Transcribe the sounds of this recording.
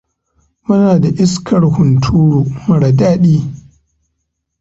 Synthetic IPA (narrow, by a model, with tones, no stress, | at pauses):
mʊ˦naː˨da˨ʔɪ˦skʰɐ˨ɽhʊ˨ntʰuː˦ɽuː˨mɐ˨ɽa˨daː˦ɗiː˦